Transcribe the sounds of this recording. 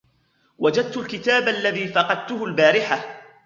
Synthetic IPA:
wad͡ʒad̪̚t̪ʊlkɪt̪aːbʔalːaðiːfɑqɑd̪̚t̪ʊɦʊlbaːɾɪħa

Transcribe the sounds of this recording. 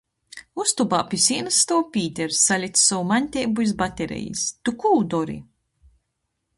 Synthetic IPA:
ust̪ubaːpʲisiːnɨsːt̪ɔwpʲiːt̪ʲɛɾsːalʲit̪ssɔwumanʲt̪ʲɛjbuizbat̪ʲeɾʲɛ̰jḭst̪ukuːd̪ɔɾḭ

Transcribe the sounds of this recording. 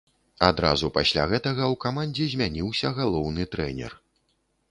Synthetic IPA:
ad̪ɾa̰zupasʲlʲa̰ɣɛt̪ɐɣɐwkamanʲd͡zʲɛzʲmʲanʲiwsʲɐɣalˠɔwnɨt̪ɾɛnʲɛ̰r

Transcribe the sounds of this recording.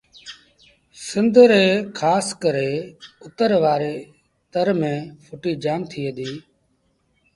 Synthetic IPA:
sɪnd̪ʱɾeːkʰaːskəɾeːʊt̪əɾʋaːɾeː | t̪əɾmẽːpʰʊʈiːd͡ʒaːmt̪ʰiːɦəd̪iː

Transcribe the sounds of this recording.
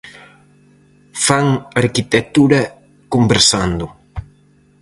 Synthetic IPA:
faŋaɾkit̪et̪uɾɐ | kumbeɾsand̪ʊ

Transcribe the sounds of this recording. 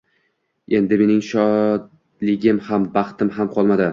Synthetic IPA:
e̞nd̪ɪme̞nɪŋʃɒd̪ | lɪɡʲɪmhambɑχt̪ʰɪmɦamqʰɒlˠmad̪ɪ

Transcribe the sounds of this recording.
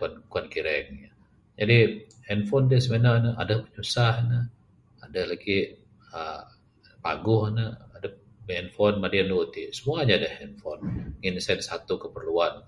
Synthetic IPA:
ankuankiɾɛŋa | d͡ʒadi | hɛnfɔndiasəmenanəa̰dapəɲusahnə | adalaɡi | ə | pa̰ɡʊhnəada | mɛnfɔnmadianluut̪isəmuaɲaːdahɛnfɔnŋinsadəsat̪ukəpərluan

